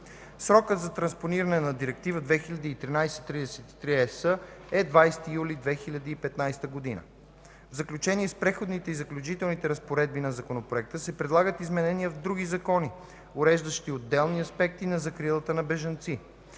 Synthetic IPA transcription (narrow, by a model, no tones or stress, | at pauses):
sɾɔkət̪zɐt̪ɾɐnsponiɾɐnɛnɐd̪iɾɛkt̪ivəd̪vɛxilʲɐd̪iːt̪ɾinajsɛ̥t̪ɾid̪ɛsɛt̪i̥t̪ɾiɛsəɛd̪vajst̪ijulʲid̪vɛxilʲɐd̪iːpɛt̪najst̪əɡod̪inə̰ | vzɐklʲut͡ʃɛniɛspɾɛxod̪nit̪ɛizɐklʲut͡ʃit̪ɛlˠnit̪ɛɾɐspoɾɛd̪̚binɐzɐkonopɾoɛk̚t̪əsɛpɾɛd̪lˠaɡət̪izmɛnɛniəvd̪ɾuɡizɐkɔni | oɾɛʒd̪əʃt̪iod̪ːɛlˠniɐspɛk̚t̪inɐzɐkɾilˠət̪ənɐbɛʒɐnt̪si